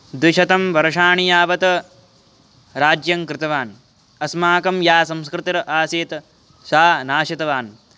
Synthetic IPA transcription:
d̪ɪʃɐt̪ɐmʋɐɾɐʂaːɳijaːʋɐt̪ɐ | ɾaːd͡ʒjɐŋkɾɪt̪ɐʋaːn | ɐsmaːkɐmjaːsɐmskɾɪt̪ɾɐʔaːseːt̪ɐ | ʃaːnaːʃit̪ɐʋaːn

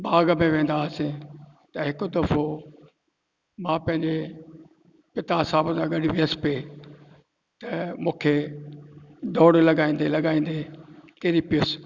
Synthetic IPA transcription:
baːɡmẽʋẽːn̆d̪asẽt̪ɐɦɪkʊd̪ɐfo | mãpɐ̃ɦɪ̃ɲd͡ʑe | pɪt̪asaːbə̃sãɡɐɗɪʋɪəspe | t̪ɐmũːkʰe | d̪oːɽlɐɠaːĩːnd̪elɐɠaːĩːn̆d̪ekeɾipɪjʊs

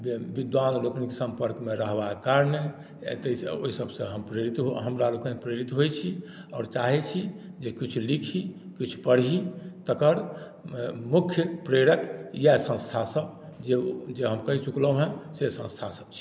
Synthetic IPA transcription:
bid̪ʋanlokənkesə̃mpəɾkmeɾəɦbakaɾnḛ | t̪əso̰ɦisəbsə̃ɦəmpɾeɾit̪ɦoɦəmɾalokə̃npɾeɾit̪ɦojt͡ʃʰi | ɔːɾt͡ʃaɦɛt͡ʃʰid͡ʒekit͡ʃʰulikʰikit͡ʃʰu̥pəɽɦit̪əkəɾ | mukʰjəpɾeɾəkjasə̃st̪ʰasəb | d͡ʒed͡ʒeɦəmkəɦit͡ʃukləɦɛ̃sesə̃st̪ʰasəb̥̚t͡ʃʰi̥

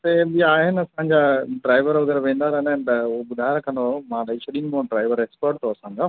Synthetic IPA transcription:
t̪ebiaːɦɪnɪɐsãɲd͡ʑaːɖɾaːɪʋəɾʋɐɡəɾʋẽːn̆d̪aːɾnɦɪnɪt̪ɐʊoɓʊd̪ʱaːɪɾɐkʰə̃nd̪omãɗɐit͡ʃʰɐɗiːnmõɖɾaːɪʋəɾeːkspəɾʈ̚t̪ʰoɐsãːɲ̆o

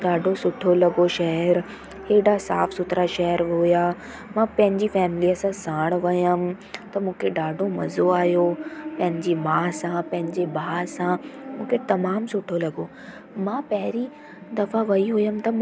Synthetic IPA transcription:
ɖaːɖʱosʊʈʰolɐɡoʃɐɦɛɾ | heːɖasa̰ːfsʊt̪ɾaʃɐɦəɾɦʊja | mãːpɐ̃ɦɪ̃ɲd͡ʑifɛːmliəsãsãːɽ̃ʋɐjəm | t̪ɐmũːkʰeɖaːɖʱomɐzoaːɦjopɐ̃ɦɪ̃ɲd͡ʑimaːsãpɐ̃ɦɪ̃ɲd͡ʑebʱaːsãmũːkʰet̪ɐmaːmsʊʈʰolɐɡo | mãːpɐɦɪɾi | d̪ɐfaʋɐiɦʊjəm̆t̪ɐ

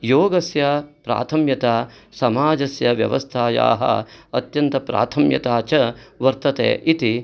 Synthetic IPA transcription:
joːɡɐsjɐpɾa̰ːt̪ʰɐmjɐt̪aːsɐmaːd͡ʒɐsjɐʋjɐ̰ʋɐ̰st̪ʰaːja̰ːɦɐ̰ɐt̪jɐnt̪ɐpɾa̰ːt̪ʰɐmjɐ̰t̪aːt͡ʃɐʋɐɾt̪ɐt̪ḛːʔit̪i

